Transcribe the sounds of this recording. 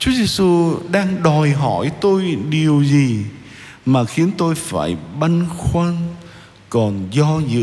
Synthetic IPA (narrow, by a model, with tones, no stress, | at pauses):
t͡ɕu˨˦əze˧su˧ɗaː˧ŋɗɔ˨˩jɦɔ˧˩jt̪o˧jɗi˨˩əwzi˨˩ | maː˨˩xi˨˦ənt̪o˧jfa̰ː˧˩jɓa˧nxwaː˧n | kɔ˨˩nzɔ˧zɨ̰˧